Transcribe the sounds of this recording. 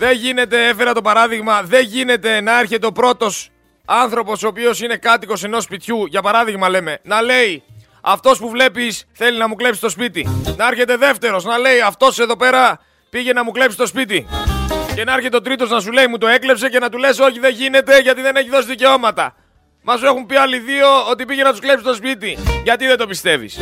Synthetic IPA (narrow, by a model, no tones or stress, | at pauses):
ðe̞ʝine̞t̪e̞e̞fe̞ɾɐt̪opɐɾɐðiɣmɐðe̞nʝine̞t̪e̞nɐeɾçe̞t̪e̞o̞pɾo̞t̪o̞s | ɐnθɾo̞po̞soːpio̞sine̞kɐt̪iko̞se̞no̞spit̪çuʝɐpɐɾɐðiɣmɐle̞me̞nɐle̞i | ɐft̪o̞spuvle̞pisθe̞liznɐmukle̞psi̥st̪o̞spit̪inɐeɾçe̞t̪e̞ðe̞ft̪e̞ɾo̞znɐle̞iɐft̪o̞se̞ðo̞pe̞ɾɐ | piʝe̞nɐmukle̞psist̪ospit̪i | ce̞nɐɐɾçe̞t̪eo̞t̪ɾit̪o̞znɐsule̞imut̪o̞e̞kle̞pse̞ce̞nɐt̪ule̞so̞çiðe̞ʝine̞t̪e̞ʝɐt̪iðe̞ne̞çiðo̞siðice̞o̞mɐt̪ɐ | mɐsue̞xumpiɐliðio̞ot̪ipiʝenɐt̪uskle̞psist̪o̞spit̪iʝɐt̪iðed̪opist̪e̞vḭs